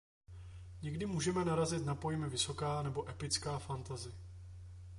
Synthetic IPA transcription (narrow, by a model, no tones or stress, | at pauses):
ɲɛɡdɪmuːʒɛmɛnaɾazɪt̪napo̞jmɪvɪso̞kaːnɛbo̞ʔɛpɪt͡skaːfant̪azɪ